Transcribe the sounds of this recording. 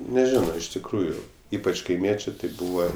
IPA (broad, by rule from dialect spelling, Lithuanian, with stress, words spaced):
nʲɛˈʒʲɪnoː ɪʃ tʲɪkˈruːjʊ ˈiːpɐt͡ʃ kɐɪˈmʲiɛt͡ʃʲeː tʲɪ ˈbuːʋɐ